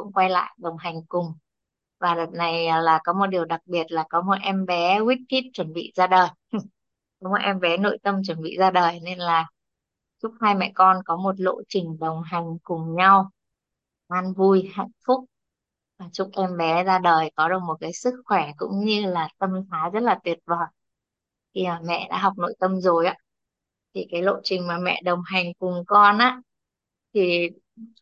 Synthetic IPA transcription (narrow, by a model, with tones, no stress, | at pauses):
kʊ̰˧˥ŋ͡mkwa˧jla̰ː˧˨jɗə˨˩wŋ͡mɦa˨˩jŋ̟kʊ˨˩ŋ͡m | vaː˨˩ɗə˨˩t̚na˨˩jlaː˨˩kɔ˨˦mo˨˩t̚ɗi˨˩əwɗa˨˩k̚ɓi˨˩ət̚laː˨˩kɔ˨˦mo˨˩t̚ʔɛ˧mɓɛ˨˦kwi˦˥t̚t̪ʰi˦˥t̚t͡ɕwə˧˩nɓḭ˧˨zaː˧ɗəː˨˩j | kɔ˨˦mo˨˩t̚ʔɛ˧mɓɛ˨˦no̰˧˨jt̪ə˧mt͡ɕwə˧˩nɓḭ˧˨zaː˧ɗəː˨˩jne˧nlaː˨˩ | t͡ɕʊ˦˥k͡p̚haː˧jmɛ̰˧˨kɔ˧nkɔ˨˦mo˨˩t̬̚lo̰˧˨t͡ɕï˨˩ŋ̟ɗə˨˩wŋ͡mɦa˨˩jŋ̟kʊ˨˩ŋ͡mɲa˧w | ʔaː˧nvu˧jha̰˧˨jŋ̟fʊ˦˥k͡p̚ | vaː˨˩t͡ɕʊ˦˥k͡p̚ʔɛ˧mɓɛ˨˦zaː˧ɗəː˨˩jkɔ˨˦ɗɨ˨˩k̚mo˨˩t̚kaː˨˦jsɨ˦˥k̚xwɛ˧˩kʊ̰˧˥ŋ͡mɲɨ˧laː˨˩t̪ə˧mt̪ʰaː˨˦zə˦˥t̚laː˨˩t̪wi˨˩ət̚vəː˨˩j | t̪ʰi˨˩maː˨˩mɛ̰˧˨ɗa̰ː˧˥ɦa˨˩wk͡p̚no̰˧˥jt̪ə˧mzo˨˩jʔaː˨˦ | t̪ʰi˨˩kaː˨˦jlo̰˧˨t͡ɕï˨˩ŋ̟maː˨˩mɛ̰˧˨ɗə˨˩wŋ͡mɦa˨˩jŋ̟kʊ˨˩ŋ͡mkɔ˧nʔaː˧˥ | t̪ʰi˨˩